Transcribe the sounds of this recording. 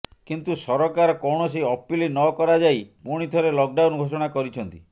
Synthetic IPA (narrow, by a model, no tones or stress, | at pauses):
kint̪usɔɾɔkaɾɔkɔwɳ̃ɔs̬iɔpilinɔkɔɾad͡ʒaipuɽ̃it̪ʰɔɾelɔk̚ɖawnɡʱos̬ɔɽ̃akɔɾit͡ʃʰɔnt̪i